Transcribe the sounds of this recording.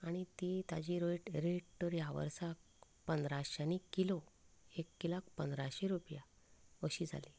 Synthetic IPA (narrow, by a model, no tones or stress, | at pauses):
aɽ̃it̪it̪ad͡ʑiːɾoiʈɾeʈ̚t̪əɾjaʋə̰ɾsak̚ | pənd̪ɾaɕanikiloekːilak̚pənd̪ɾaɕeɾupja | ʋəɕiːd͡zʱa̰li